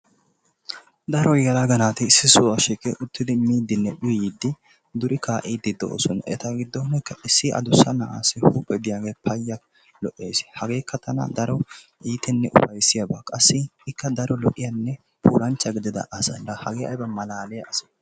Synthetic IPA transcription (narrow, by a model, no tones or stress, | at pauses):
d̪ɐɾɔɡɛlaɡɐnaːt̪ɪɪsːɪsʊwɐʃiːkʼːɛʔʊt̪ːɪd̪ɪmiːd̪ɪnːɛɗʊjɪd̪ːɪ | d̪ʊɾʔɪkʰaːʔid̪ːɪd̪ːɔ̰ːsɔnɛ̰t̪ɐɡɪd̪ːɔnɛkːɐʔɪsːɪʔɐ̰d̪ʊsːɐnɐʔa̰ːsɪhuːpʼːɛd̪ɪjaːɡeːpʰɐjːɐ | lɔʔːe̞ːshɐɡe̞ːkʰːɐt̪ʰɐnɐ̰d̪ɐɾɔ | ʔiːt̪ɛnːɛʔʊ̰fɐjsɪjabaːkʼɐsːɪɪkːɐd̪ɐɾɔlɔ̰ʔːɪjɐnːɛ | pʰṵːlɐnt͡ʃːɐɡɪd̪ɪd̪ɐ̰ʔɐsɐ̰ɐhɐɡeːʔɐ̰jbɐmɐlaːlɛjɐɐsɐ̥